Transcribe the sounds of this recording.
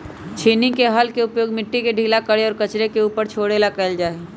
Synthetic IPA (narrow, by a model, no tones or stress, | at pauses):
t͡ʃʰiːnikeɦəlkeʊpjoːɡmɪʈːikeɖʱiːlakəɽeɔːɾkɐt͡ʃɾekeuːpəɾt͡ʃʰoːɽeːlakɛːld͡ʒaːe